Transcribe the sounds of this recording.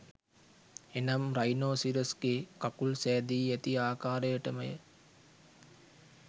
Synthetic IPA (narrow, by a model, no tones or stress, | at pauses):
enɐmɾajnoːsiɾəsɡeːkapulsæːd̪iːæt̪iaːkaːɾəjəʈəməjə̰